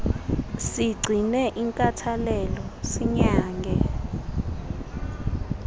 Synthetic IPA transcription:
siɡ͡ǀʱinɛʔiŋkʼatʰalɛlɔsiɲaːŋɡʱɛ

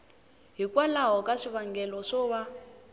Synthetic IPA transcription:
ɦikwalaɦɔkʼaʂiβaŋɡɛlɔʂɔβa

